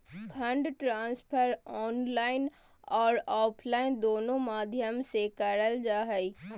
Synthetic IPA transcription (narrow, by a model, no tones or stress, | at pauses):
kʰɐ̃ɳɖʈɾãːnspʰəɾɔːnlaːɪn | ɔːɾɔːpʰlaːɪnd̪oːnõmaːd̪ʱjəmsekəɽəld͡ʒaːɦəi